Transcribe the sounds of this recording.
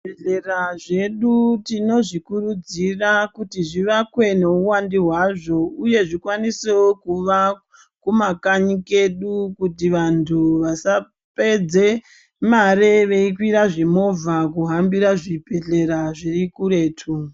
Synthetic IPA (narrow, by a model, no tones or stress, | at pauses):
eɮeraʐe̞ɗutino̞ʐikurud͡zirakutiʐiʋakwe̞ne̞uwandiɦwaʐo̞uje̞ʐikwaniseokuʋa | kumakaɲike̞ɗukutiʋantʰuʋasa | pe̞d͡ze̞ | maɾeʋe̞ikwiɾaʐe̞mo̞vakuɦambiɾaʐipe̞ɮe̞ɾaʐirikuɾe̞ːtʰu